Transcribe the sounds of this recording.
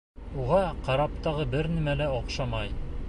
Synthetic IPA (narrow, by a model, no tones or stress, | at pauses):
uʁɑqɑɾɑp̚t̪ɑʁɤbɘɾnimælæoqʃɑmɑj